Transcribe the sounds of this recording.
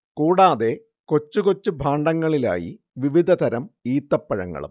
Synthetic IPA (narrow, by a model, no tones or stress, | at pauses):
kuːɽaːðe̞ | ko̞t͡ɕːukot͡ɕːubʱaːɳɖɐŋːɐɭila̰ːjḭ | ʋiʋid̪ʱɐt̪ɐɾɐmiːt̪ːɐpːɐɻɐ̰ŋːɐ̰ɭṵm